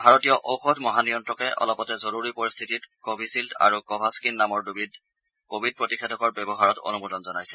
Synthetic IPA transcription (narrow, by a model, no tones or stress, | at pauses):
bʱaɹɔtijɔʔowxɔdʱmɔɦanijɔntɹɔkɛʔɔ̰lɔpɔtɛzoɹuɹipoɹist̪ʰititkobʱisiltʰa̰ɹukɔbʱaskinːamɔɹdubʱid | kobʱid̚pɹotixʰedʱɔkɔɹbɛbɔɦaɹɔto̰numudɔnzɔnajsɛ̥